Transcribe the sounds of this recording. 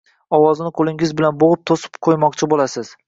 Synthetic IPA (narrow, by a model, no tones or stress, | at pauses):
ɒwɒzɪnɪqʰolˠɪŋɪzbɪlanboʁɨp̚t̪ʰosɪ̥pqʰojmɒqt͡ʃʰɪbolasɪz̥